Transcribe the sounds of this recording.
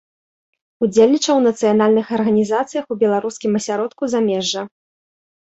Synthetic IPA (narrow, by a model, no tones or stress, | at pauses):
ud͡zʲelʲnʲit͡ʂɐwnɐt̪sɨjanalʲnɨxɐrɣɐnʲizat̪sɨjɐxubʲɛlˠaɾuskʲimɐsʲaɾɔt̪kuzamʲɛʐːɐ